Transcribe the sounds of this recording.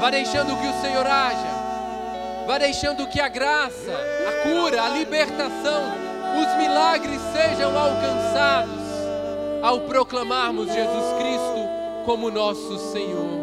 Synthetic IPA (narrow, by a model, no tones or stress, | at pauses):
vajd̪ejʃɐ̃nd̪ʊkɪʊsẽɲoɾaʒɐ | vajd̪ejʃɐ̃nd̪ʊkɪɐɡɾasɐːkuɾɐːlibeɾt̪asɐ̃w̃ | ʊzmilaɡɾɪsːeʒɐ̃w̃awkɐ̃sad̪ʊs | awpɾoklamaɾmʊzʒezuskɾist̪ʊ | kõmʊnɔsʊsẽɲoɾ